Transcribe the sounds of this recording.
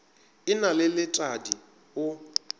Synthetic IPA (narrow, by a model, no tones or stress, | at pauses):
ɪnalɪlɪtʼadi | ʊ